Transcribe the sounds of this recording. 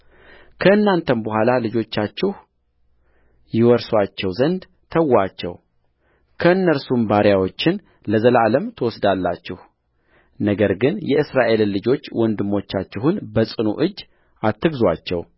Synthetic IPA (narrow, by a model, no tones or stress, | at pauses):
kʰəɨnːant̪ʰənbəhʷalalɨd͡ʒo̞t͡ʃːat͡ʃːɪh | jɪwɔɾswat͡ʃːɛwzənd̪ | t̪ʰəwːat͡ʃːɛ̰w | kʰəɨnːəɾsumbaɾjawo̞t͡ʃːɪn | ləzəlʔaləmt̪ʰəwɔsd̪alːat͡ʃːɪh | nəɡəɾɡɨnjɛɨsɾaʔe̞llːɨd͡ʒo̞t͡ʃːwɔnd̪ɨmːo̞t͡ʃːat͡ʃːɛɦunbəsʼɨnṵʔɨd͡ʒː | at̪ʰːɨɡzwat͡ʃːɛ̰w